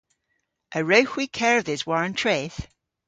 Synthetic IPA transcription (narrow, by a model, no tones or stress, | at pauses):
ʔəɹoʊxwikʰɛɹvðɪzwɔɹ̃ntʰɹ̥eθ